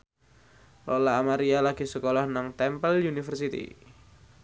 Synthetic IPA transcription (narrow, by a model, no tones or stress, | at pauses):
lɔlaːmaɾialaɡ̥i̤səkolɔhnaŋt̪ɛmpəljunifərsit̪ḭ